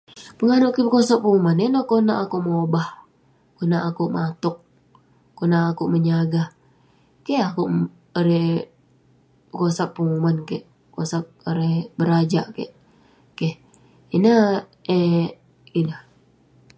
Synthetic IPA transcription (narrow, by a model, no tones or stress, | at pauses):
pəŋanʊʔkibəkosak̚pəŋumanenokonaʔakuʔmobah | konaʔakuʔmat̪ʊk̚ | kːonaʔːkuʔməɲaɡa | keakuʔ | oɾe | bəkosak̚pəŋumankeʔ | kosak̚oɾehbəɾad͡ʒaʔkḛʔ | keh | inə | e | inəh